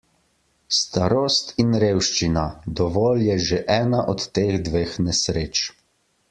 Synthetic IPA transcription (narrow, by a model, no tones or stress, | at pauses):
st̪aɾoːst̪inɾeːwʃt͡ʃinad̪ɔʋoːljɛʒeʔɛːnaʔɔt̪ːeːɣd̪ʋeːxnɛsɾeːt͡ʃ